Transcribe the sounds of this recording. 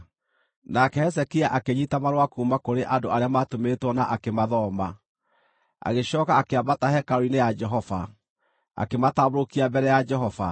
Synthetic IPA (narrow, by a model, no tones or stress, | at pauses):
nakɛhɛs̬ɛkiaʔakeɲitamaɾwakuːmakoɾeʔadoaɾeamatometwɔnaʔakemaðɔma | a̰ɣeɕɔːkaːkeabatahɛkaɾoinejad͡ʒɛɦɔfa | a̰kemataβɾokiabɛɾɛjad͡ʒɛɦɔfa̰